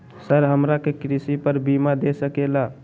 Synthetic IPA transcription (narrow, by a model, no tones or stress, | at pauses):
səɾɦəmɾakekɾisipəɾbimad̪esəkela